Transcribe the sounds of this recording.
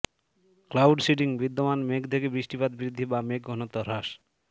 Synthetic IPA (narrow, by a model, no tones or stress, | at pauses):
klawɖsiʈiŋbid̪ːomanmekt̪ʰekebɾiʃʈipad̪̚biɾid̪ʱːibamek̚ɡʱonot̪ːoɾaʃ